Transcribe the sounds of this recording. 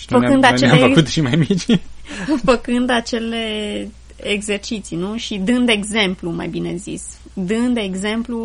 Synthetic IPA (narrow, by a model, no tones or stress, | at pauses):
fəkɨnd̪at͡ʃeamefəut̪ʃimajmit͡ʃʲ | fəkɨnd̪at͡ʃe̞le̞ | eɡze̞rt͡ʃit̪sinuʃid̪ɨnd̪eɡze̞mpluma̰jbine̞zḭs | d̪ɨnd̪eeɡze̞mplu